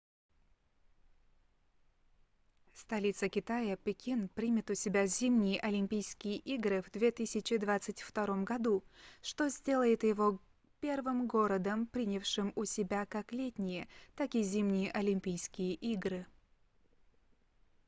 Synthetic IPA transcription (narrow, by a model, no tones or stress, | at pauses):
st̪ɐlʲit̪səkʲɪt̪ajəpʲɪkʲinpɾʲimʲɪt̪ʊsʲɪbʲazʲimnʲɪjəʔɐlʲɪmʲpʲijskʲɪjəʔiɡɾɨvd̪vʲe̞t̪ɨsʲɪt͡ɕɪd̪vat̪sɨtʲft̪ɐɾo̞mɡɐd̪uʂt̪o̞zʲdʲe̞lˠəjɪt̪jɪvo̞ | pʲe̞rvɨmɡo̞ɾəd̪əmpɾʲinʲəfʂɨmʊsʲɪbʲakaklʲetʲnʲɪjət̪akʲizʲimnʲɪjəʔɐlʲɪmʲpʲijskʲɪjəʔiɡɾɨ